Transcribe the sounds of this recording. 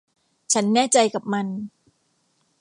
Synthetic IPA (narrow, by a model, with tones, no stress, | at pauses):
t͡ɕʰa˦˥nːɛː˥˩t͡ɕa˧jka˨˩p̚ma˧n